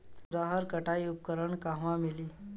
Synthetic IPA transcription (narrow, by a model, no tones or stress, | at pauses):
ɾaɦəɾkəʈaiup̚kəɾəɳkãɦʋãmiliː